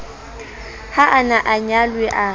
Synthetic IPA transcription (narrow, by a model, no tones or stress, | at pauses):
haʔanaʔaɲalwɛʔa